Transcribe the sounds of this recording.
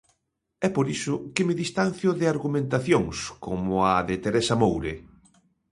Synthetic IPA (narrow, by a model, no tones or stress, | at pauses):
ɛpoɾisʊkɪmɪðist̪an̟θjʊðɪaɾɣumẽnt̪aθjoŋskʰomʊaðɪt̪eɾɛsamowɾe